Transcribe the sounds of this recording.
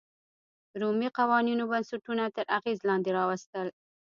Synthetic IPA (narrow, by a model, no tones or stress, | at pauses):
ɾumiqawɑninobansuʈunat̪əɾʔaɣezlɑnd̪eɾɑwast̪əl